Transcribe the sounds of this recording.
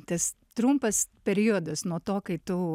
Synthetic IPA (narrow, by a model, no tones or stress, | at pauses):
t̪ɐs | t̪ɾumpɐspʲɛɾʲiɔd̪ɐsnuɔt̪oːkɐɪt̪ʊ